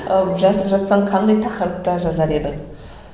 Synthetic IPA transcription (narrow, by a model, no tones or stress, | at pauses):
ʒɑsəpʒɑt̪sɑɴqʰɑnd̪ɑjt̪ʰɑqəɾət̪ːɑʒɑzɑɾe̞d̪ɪŋ